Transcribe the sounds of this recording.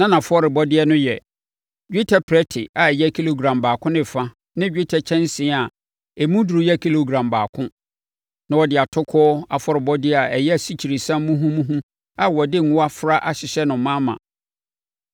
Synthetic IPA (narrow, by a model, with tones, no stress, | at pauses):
nã˦nã˨fʊ˦ɔ˦ɾɪ˨bɔ˦dɪ˦ɛ˦nʊ̃˦jɛ˨ | d͡ʑᶣi˦tʰa˦pʰɾɛ˦tʰɪ̰˨a˨jɛ˦kʰi˦lo˨ɡɾã˨mbaː˨kʰʊ̃˦nɪ̃˦˨fã˦ | nɪ̃˦d͡ʑᶣi˦tʰa˦t͡ɕʰɛ̃˦n˦sɪ̃˨˦a˨ | ɛ˨mũ˦du˨ɾu˨˦jɛ˦˨kʰi˦lo˨ɡɾã˨mba̰ː˨kʰʊ̃˦ | nã˨wɔ˨dɪ˨a˨tʰʊ˦kʰɔː˦ɔ˦a˨fɔ˦ɾɪ˨bɔ˦dɪ˦ɛ˨a˨ɛ˨jɛ˦æ˨si˦t͡ɕʰi˨ɾi˨sã˦mː˦mũ˦ɦũ˦mũ˦ɦũ˦ | a˨wɔ˨dɪ˦ŋ̩˨ŋʊ̃˦a˦fɾa˦ʔa˨ɕɪ˨ɕɛ˦nʊ̃˨˦mã˦mã̰˨